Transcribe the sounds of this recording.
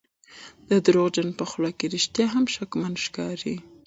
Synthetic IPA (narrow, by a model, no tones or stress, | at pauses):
d̪̥əd̪ɾod͡ʒanpəxlɑkeɾiʃt̪jɑɦamʃakmand̪ʃkɑɾi